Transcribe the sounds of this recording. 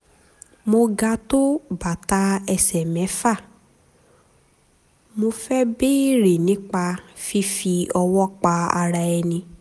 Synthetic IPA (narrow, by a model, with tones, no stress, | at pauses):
mo˧ɡa˧to˦ba˨ta˧ɛ˧sɛ˨mɛ̃˨˦fa˦˨ | mo˧fɛ˦be˦ɾe˨nĩ˨˦k͡pa˧fi˦fi˧ɔ˧wɔ˦k͡pa˧a̰˧ɾa˧ɛ˧nĩ˧